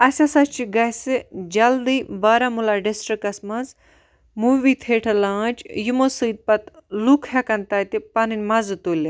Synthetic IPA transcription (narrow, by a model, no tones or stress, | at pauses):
ɐsʲasɐt͡ʃiɡɐsɨd͡ʒɐld̪iːbaːɾamulaɖisʈɾikɐsmɐnz | muʋiːt̪ʰeːʈʰɐlãːt͡ʃʰjumosɨːd̪̚pɐt̪lukʰɦakɐnt̪ɐːt̪ipɐninʲmɐzɨt̪ulʲi